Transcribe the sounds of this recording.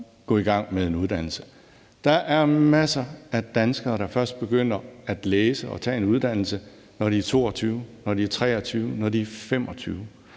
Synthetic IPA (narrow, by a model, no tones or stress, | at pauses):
ɡ̥ɔ̰̽ːiɡ̥ɑ̈ŋ̰meðˠe̝nuð̞ˠd̥ænl̩sə̥ | d̥ɑ̈ʔæɐmæsɐæd̥ænsɡ̥ɐːɾ̥ɑ̈fɶɐsd̥̚b̥e̝ɡ̥øn̰ɐæd̥leːsəɒ̽t͡sʰɛ̰ːe̝nuð̞ˠd̥æn̰l̩sə | nɒɾiæɐt͡sʰo̝̰ːɒt͡sʰyːʊnɒdiæɐt͡sʰʁɛ̰ːɐt͡sʰyːʊnɒdiæɐfem̰ɒ̽t͡sʰyːʊ